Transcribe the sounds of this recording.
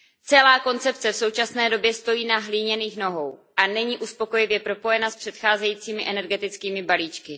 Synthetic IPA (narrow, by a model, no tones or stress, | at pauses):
t͡sɛlaːko̞nt͡sɛp̚t͡sɛfso̞wt͡ʃasnɛːdo̞bjɛst̪o̞jiːnaɦliːɲɛniːxno̞ɦo̞wʔanɛɲiːʔuspo̞ko̞jɪvjɛpɾo̞po̞jɛnaspr̝̥ɛt̪xaːzɛjiːt͡siːmɪʔɛnɛɾɡɛt̪ɪt͡skiːmɪbaliːt͡ʃkɪ